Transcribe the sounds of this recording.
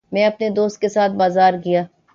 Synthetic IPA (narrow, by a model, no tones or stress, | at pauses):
mɛ̃ːɐpned̪oːst̪̚kesaːt̪̚ʰbaːzaːɾkijaː